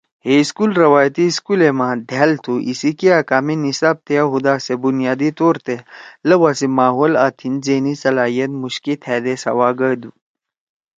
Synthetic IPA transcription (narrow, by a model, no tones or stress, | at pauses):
heiskulɾɐwaːjt̪iskulemãːd̪ʱeːlt̪ʰuʔḭsikiaːkaːminisaːb̚t̪ʰeaɦud̪aːsebunijaːd̪it̪oːɾt̪elɐwaːsimaːɦoːlaːt̪ʰinzeːnisɐlaːɦijɐt̪muɕkit̪ʰɛːd̪esa̰waːɡəd̪u